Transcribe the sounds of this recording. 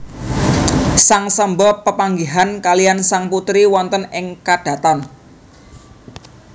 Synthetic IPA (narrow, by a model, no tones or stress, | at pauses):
saŋsəmbɔpəpaŋɡiɦankaliansaŋput̪ɾiwɔnt̪ənɪŋkad̥a̤t̪an